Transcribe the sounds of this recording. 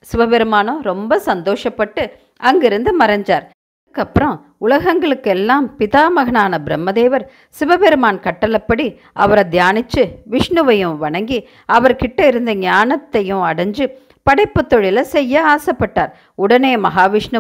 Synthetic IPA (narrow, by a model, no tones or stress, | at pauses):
sɪʋɐʋɛɾɯmaːnõɾɔmbɐsɐnd̪oːʂɐpːɐʈːɯ | ɐŋɡɪɾɯnd̪ɯmɐɾɐɲd͡ʒaːɾ | ɯkːɐpːɯɾɐ̃ | ʊlɐɣɐŋɡɐɭɯkːɛlːaːmpɪðaːmɐɣɐɳaːnɐbɪɾɐmːɐðeːʋɐɾ | sɪʋɐʋɛɾɯmaːnkɐʈːɐlɐpːɐɽi | ʔɐʋɐɾɐd̪jaːnɪt͡ʃːɯʋɪʂɳɯʋɐjɯ̃ʋɐɳɐŋɡi | ɐʋɐɾkɪʈːɐɪɾɯnd̪ɐɲaːnɐt̪ːɐjʊ̃ɐɽɐɲd͡ʒɯ | pɐɽɐɪpːɯt̪ːɔɻɪlɐsɛjːɐaːsɐpːɐʈːaːɾ | ʊɽɐneːmɐɦaːʋɪʂɳɯ